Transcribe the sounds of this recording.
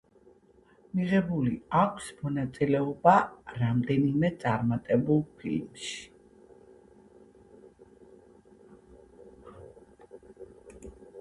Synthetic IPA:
miʁɛbuliakʷʰsmɔnat̪sʼilɛɔbaɾamd̪ɛnimɛt̪sʼaɾmat̪ʼɛbulˠpʰḭlmʃi̥

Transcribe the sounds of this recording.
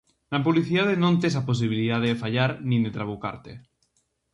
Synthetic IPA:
napuβliθiðaðenont̪esapos̬iβ̞iliðaðefaʎaɾnĩd̪et̪ɾaβuka̰ɾt̪e

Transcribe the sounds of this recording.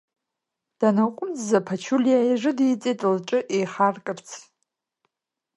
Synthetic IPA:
d̥anakʷʼʊmd͡zzapʰat͡ʃʰulijajʐɨdit͡sʼetʼlʈ͡ʂʼɨʔejχarkʼɨrt͡sʰ

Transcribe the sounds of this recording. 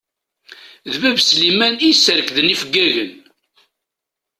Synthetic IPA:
ðvævslimænisəɾəkðənifəɡːæʝən

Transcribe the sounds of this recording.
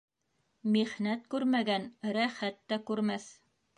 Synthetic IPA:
miχnæt̪̚kʉɾmæɡænɾæχæt̪ːækʉɾmæθ

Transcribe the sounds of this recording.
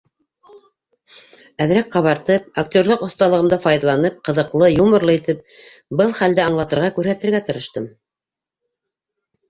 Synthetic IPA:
æðɾæk̚qɑβɑɾt̪ɤp̚ak̚t̪ʲo̞ɾlˠoqŏθt̪ɑlˠɤ̆ʁɤ̆md̪ɑfɑjðɑlˠɑnɤp̚qɤ̆ðɤ̆qlˠɤjumɤ̆ɾlˠɤit̪ɘp̚bɤlˠχæld̪ɘɑɴlˠɑt̪ɤ̆ɾʁɑkʉɾhæt̪ɘ̆ɾɡæt̪ɤ̆ɾɤ̆ʃt̪ɤm

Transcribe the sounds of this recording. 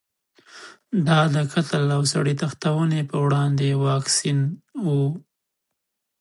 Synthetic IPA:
d̪ɑd̪əkʰat̪əlawsaɽit̪axt̪awənepəwɽɑnd̪ewɑksinwu

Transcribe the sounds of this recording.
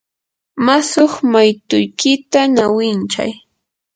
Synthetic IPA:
masʊχmajt̪ʊjkɪt̪anawɪnt͡ʃa̰j

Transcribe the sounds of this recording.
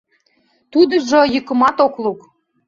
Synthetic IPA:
t̪ud̪ə̆ʒə̆jəkə̆mɑt̪okluk

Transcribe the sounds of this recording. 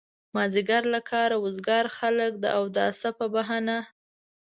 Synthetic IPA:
mɑziɡaɾlakʰɑɾawʊzɡɑɾxalək̚d̪ə̰ʔawd̪aa̰sapəbaɦana

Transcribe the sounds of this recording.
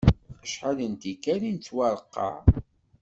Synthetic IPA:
əʃħaðənt̪ikːæɾint͡sːwɑɾˤəqːɑ̰ʕ

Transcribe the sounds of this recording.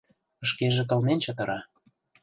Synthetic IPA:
ɤ̆ʃkeʒĕk̬ɤ̆lnent͡ɕɤ̆t̪ə̆ɾɑ

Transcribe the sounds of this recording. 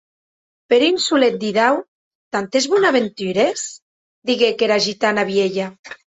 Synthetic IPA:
peɾinsulet̪̚d̪iðaw | t̪ant̪ezβunaβent̪yɾes | d̪iɣekeɾaʒit̪anaβjeʎa

